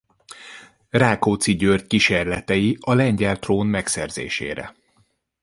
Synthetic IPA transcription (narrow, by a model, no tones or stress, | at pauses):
raːkoːt̪siɟørt̪kiʃeːrlɛt̪ɛjiɒlɛɲɟɛlt̪roːnmɛksɛrzḛːʃḛːɾɛ̰